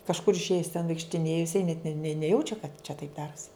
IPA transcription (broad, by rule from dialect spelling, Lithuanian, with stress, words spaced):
kɐʃˈkʊr ɪʃʲˈeːjɪs tʲɛn ʋɐɪkʃʲtʲɪˈnʲeːjʊ jɪˈsɐɪ nʲɛt nʲɛ nʲɛ nʲɛˈjɛʊt͡ʃʲɛ kɐt t͡ʃʲɛ tɐɪp ˈdɑːrʊsʲɪ